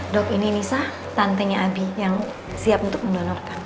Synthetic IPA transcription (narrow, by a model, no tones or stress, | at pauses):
dɔkininisah | t̪ant̪ɛɲaabijaŋ | siap̚unt̪ʊk̚məndɔnɔrkan